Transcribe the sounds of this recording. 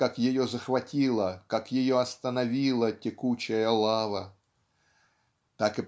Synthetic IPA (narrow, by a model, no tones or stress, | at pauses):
akjɪjozəxvɐtʲilˠəkakjɪjoɐst̪ənɐvʲilˠətʲɪkut͡ɕɪjəlˠavə | t̪akɨp